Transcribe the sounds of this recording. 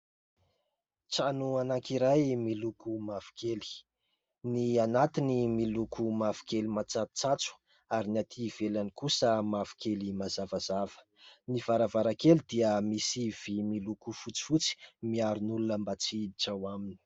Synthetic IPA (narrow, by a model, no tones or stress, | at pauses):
t͡sanuanaŋkiɾajmilukumavi̥keli̥ | nianat̪inimilukʰumavi̥kelimat͡satt͡sat͡su̥ | aɾinat̪ʰiv̥elanikusəmavi̥kʰelimazavazav̥ə̥ | niv̥aɾavaɾakelid̪iəmisiv̥imilukufut͡si̥fut͡si̥miaɾunulunəmbat͡sit͡sawamini̥